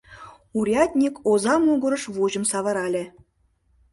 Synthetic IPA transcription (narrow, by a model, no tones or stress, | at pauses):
uɾʲɑt̪ʲnʲikozɑmuɡɤ̆ɾɤ̆ʃβuʑə̆msɑβɤ̆ɾɑlʲĕ